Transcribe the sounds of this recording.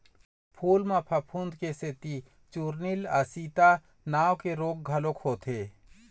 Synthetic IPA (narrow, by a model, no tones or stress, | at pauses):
pʰuːlmãpʰɐpʰund̪keset̪i | t͡ʃuːɾnilasiːt̪a | naːwkeɾoːɡ̚ɡʱɐlokhoːt̪ʰeː